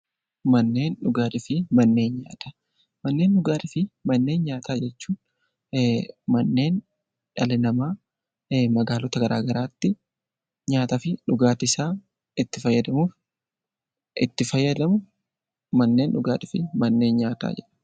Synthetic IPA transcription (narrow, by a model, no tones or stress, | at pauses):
mɐnːe̞ːnᶑʊɡaːt̪ɪfɪmɐnːe̞ːnɲa̰ːt̪ḁ | mɐnːeːnɗʊɡaːᶑ̪ɪfɪmɐnːe̞ːnɲaːt̪aːd͡ʒɛt͡ʃːuːn | mɐnːe̞ːn | ᶑɐlɪnɐmaː | mɐɡaːlɔt̪ɐɡɐɾʔa̰ːɡɐɾaːt̪ːɪ | ɲaːt̪ɐfɪᶑʊɡaːt̪ɪsaː | ɪt̪ːɪfɐjːɐd̪ɐmuːf | ʔɪ̰t̪ːɪfɐjːɐd̪ɐmʊ | mɐnːe̞ːnᶑʊɡa̰ːt̪ɪfɪmɐnːe̞ːnɲaːt̪a̰ːd͡ʒɛᶑɐ̥